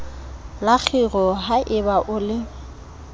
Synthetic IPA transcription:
lak͡xʰiɣɔɦaʔɪbaʔʊlɪ

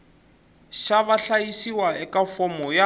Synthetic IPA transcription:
ʃaβaɬajisiwaɛkafɔmɔja

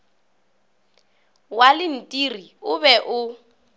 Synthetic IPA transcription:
walɪn̩tʼiriʊbɛʔʊ

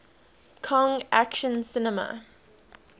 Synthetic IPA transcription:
kʰɔ̃ŋʔæ̰kʃə̃nsɪnəmə̰

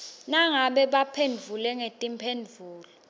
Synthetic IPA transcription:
naŋaɓɛɓapʰenvʱulɛŋetʼimpʰend͡vvʱuːlɔ

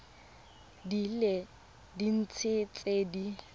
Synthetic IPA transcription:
dile | din̩t͡sʰɪt͡sʼeːdi

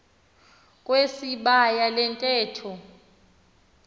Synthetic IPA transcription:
kʼwesiɓajalɛntʼɛːtʰɔ

